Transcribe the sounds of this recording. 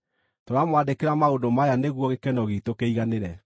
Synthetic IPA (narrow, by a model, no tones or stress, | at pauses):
toɾamwadekeɾamaondomajaneɣwɔɣekɛnɔɣitokeiɣaneɾɛ